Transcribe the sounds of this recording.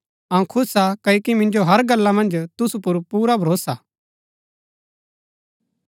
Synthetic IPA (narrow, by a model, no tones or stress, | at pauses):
ɐũkʰʊsakɐjokimɪ̃nd͡ʒoɦɐɾɡɐlːamɐ̃nd͡ʒt̪ʊsupʊɾpuːɾabʱɐɾoːsa